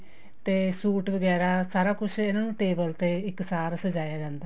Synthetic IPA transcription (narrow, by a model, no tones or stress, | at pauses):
t̪eːsuːʈʋəɡɛːɾaːsaːɾaːkʊt͡ʃʰɪnaːnũːʈeːbəlt̪eːɪksaːɾsəd͡ʒaːjaːd͡ʒãːnd̪aː